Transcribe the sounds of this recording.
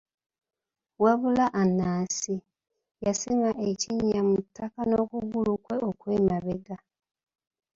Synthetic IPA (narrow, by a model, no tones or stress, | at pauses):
weβulaʔanaːsi | jasiŋaʔeciɲːamutʰːakanokuɡulukwe̞ʔo̞kweːmaβeɡa